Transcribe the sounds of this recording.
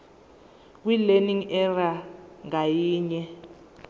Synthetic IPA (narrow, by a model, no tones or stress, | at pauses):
k̬wileniŋɛraŋajiːɲɛ